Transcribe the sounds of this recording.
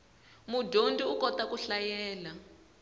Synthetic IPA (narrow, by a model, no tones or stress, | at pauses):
mudʱondiukɔtakuɬajɛːla